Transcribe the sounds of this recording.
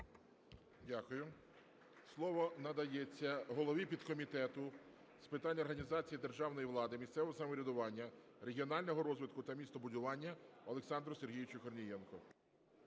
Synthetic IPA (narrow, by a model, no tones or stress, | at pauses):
dʲakʊjʊ | slˠɔʋɔnɐd̪ɐjet͡sʲːɐɦɔlˠɔʋʲipʲid̪kɔmʲit̪ɛt̪ʊ | spɪt̪ɑnʲɔrɦɐnʲizɑt͡sʲijid̪erʒɑwnɔjiʋlˠɑd̪ɪmʲist̪sɛʋɔɔsɐmɔɾʲid̪ʊʋɑnʲːɐ | ɾe̞ɦʲiɔnɑlʲnɔɦɔɾɔzʋɪt̪kʊt̪ɐmʲist̪ɔbʊdʲʊʋɑnʲːɐɔlˠeksɑnd̪ɾɔse̞rɦʲijɪt͡ʃʊkɔrnʲijɛnkɔ